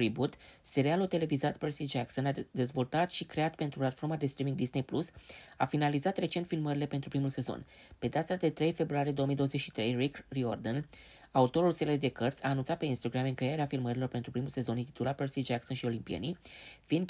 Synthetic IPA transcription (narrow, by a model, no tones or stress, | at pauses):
ɾibut̪se̞ɾialot̪e̞le̞vizat̪persid͡ʒakso̞nad̪e̞zvo̞lt̪at̪ʃikɾe̞at̪pe̞nt̪ɾuplat̪fo̞rmad̪e̞st̪ɾimiŋɡd̪isnejplusafinalizat̪ɾe̞t͡ʃe̞nt̪filməɾile̞pe̞nt̪ɾupɾimulse̞zo̞̰n | pe̞d̪at̪ad̪e̞t̪ɾe̞jfe̞bɾuaɾijd̪oomijd̪o̞oəze̞t͡ʃʃi̥t̪ɾe̞jrikrio̰rd̪ən | aut̪o̞ɾulseled̪e̞kərt̪sʲaːnunt̪sat̪pe̞inst̪oɡɾamɨŋkejeɾeafilməɾilo̞rpe̞nt̪ɾupɾimulse̞zo̞nint̪i̥t̪ulat̪̚persid͡ʒakso̞nʃio̞limpiḛnifin